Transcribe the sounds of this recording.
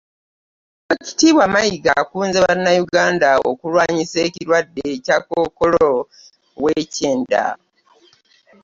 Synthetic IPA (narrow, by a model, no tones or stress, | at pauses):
oci̥tiːβwamajiɡakuːnzeβanːajuɡaːndao̰kulwaːɲiseːciɾwadːecakoːko̞lo | weceːnda̰